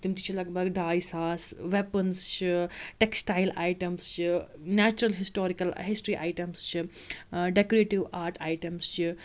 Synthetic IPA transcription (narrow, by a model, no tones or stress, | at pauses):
t̪imt̪i̥t͡ʃʰilɐɡbʱɐɡɖaːjsaːsʋepɐnst͡ʃʰiʈeksʈaːɪla̰ːjʈɐmst͡ʃʰinɛːt͡ʃuɾɐlɦisʈoːɾikɐlɦisʈɾiʔa̰ɪʈɐmst͡ʃʰiɖekoɾeʈiʋaːɾʈʰaːjʈɐmst͡ʃʰi